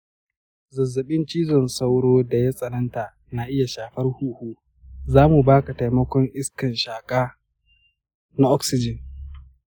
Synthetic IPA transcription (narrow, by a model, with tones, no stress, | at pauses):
zɐ˨zːɐ˨ɓɪ˦nt͡ʃiː˦zɔ˨nsa˦wɽoː˦da˨ja˦sʼɐ˨nɐ˦nta˨ | na˨ʔɪ˦ja˨ʃaː˨ɸɐ˦rhuː˦huː˦ | zaː˦mu˨baː˦ka˨ta˨jmɐ˦kʷɔ˦ŋʔɪ˦skɐ˨nʃaː˨kʼaː˦ | na˦ʔɔ˦ksɪ˦d͡ʒɪ˨n